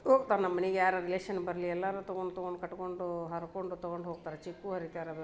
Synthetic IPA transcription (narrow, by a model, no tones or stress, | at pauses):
ɦoːɡt̪aːɾenɐmːɐniɡejaːɾɐɾileːʃɐnbɐɾɐliɛlːaɾut̪ɐɡoɳɖut̪ɔɡoɳɖukɐʈːkoɳɖuɦɐɾukoɳɖut̪ɐɡoɳɖuɦoɡ̚t̪aːɾet͡ʃikːuːɦɐɾit̪aːɾed̪